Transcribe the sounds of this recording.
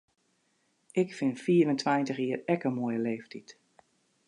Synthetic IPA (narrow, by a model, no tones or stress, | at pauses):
ʔɪkfɪnfiːəɾəntʋajntəxiːərɛkəmojəleːftit